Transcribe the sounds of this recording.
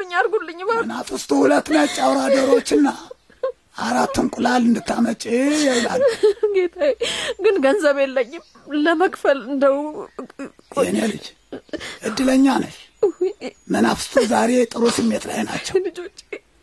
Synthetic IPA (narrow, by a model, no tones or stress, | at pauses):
ɨɲːaɾɡolːɨɲːɨnafɨst̪ʰʼuhulət̪ːnat͡ʃʼːawɾad̪əɾo̞t͡ʃːɨnːa | ʔaɾat̪ʰːɨnkʷʼʊlalɨnd̪ɨt̪ʰːamət͡ʃʼejɛwlaɡet̪ʰajɡɨnɡənzəβelːəɲːɪm | ləməkʼfəlɨnd̪əw | jɛnelɨ̰d͡ʒ | ʔɨd̪ːɨləɲːanə̰ʃ | mənafɨ̥st̪ʰʼuzaɾe̞t̪ʼɨɾot̪jɛmːjɛt̪ʼɾa̰jna̰t͡ʃːəlɨd͡ʒot͡ʃʼː